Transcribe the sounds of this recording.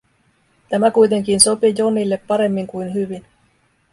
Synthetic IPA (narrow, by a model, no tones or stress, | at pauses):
t̪æmækujt̪e̞ŋk̟inso̞pijonːilːepːɑɾe̞mːiŋkujnɦyʋin